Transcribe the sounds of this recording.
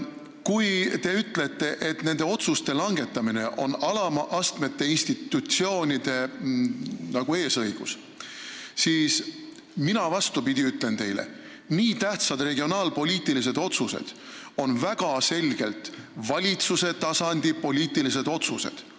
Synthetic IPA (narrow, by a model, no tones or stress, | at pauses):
kujt̪e̞yt̪let̪ːe̞ʔe̞t̪ne̞nd̪e̞o̞t̪sust̪e̞lɑŋɡe̞t̪ːˑɑmine̞ʔo̞nɑlɑmɑʔɑst̪me̞t̪ːe̞inst̪it̪ːut̪sio̞ːnʲid̪̥e̞ | nɑɡ̥ue̞ːsɤjɡ̥us | siːs | minɑvɑst̪upid̪ʲiyt̪ːˑle̞nt̪e̞jlḛ | niːt̪æht̪sɑd̪̥re̞ɡio̞nɑːlpo̞lʲiːt̪ilis̬e̞d̪̥o̞t̪susḛd̪̥ | o̞nvæɡ̥ɑse̞lʲɡ̥e̞lt̪vɑlʲit̪suse̞t̪ɑsɑnd̪̥ʲipo̞lʲiːt̪ilis̬e̞d̪̥o̞t̪suse̞̰d̪̥